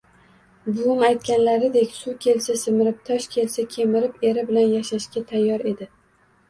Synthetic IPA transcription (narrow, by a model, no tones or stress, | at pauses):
bʊmajt̪̚kʲanlaɾɪd̪ekʲsukʲʰe̞lsasɪmɪɾɪp̚t̪ʰɒʃkʲʰe̞lsakʲʰe̞mɪɾɪpe̞ɾɪbɪlanjaʃaʃkʲat̪ʰajːɒɾe̞d̪ɪ